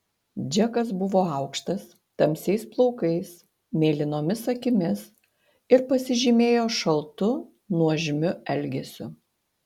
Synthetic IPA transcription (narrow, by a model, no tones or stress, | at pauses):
d͡ʒʲɛkɐsbʊʋoːɐˑʊkʃt̪ɐs | t̪ɐmʲsʲɛɪsplˠɔʊkɐɪs | mʲeːlʲɪnoːmʲɪsɐkʲɪmʲɪs | ɪɾpɐsʲɪʒʲɪmʲeːjoːʃɐlˠt̪ʊ | nuɔʒʲɪmʲʊɛlʲɡʲɛsʲʊ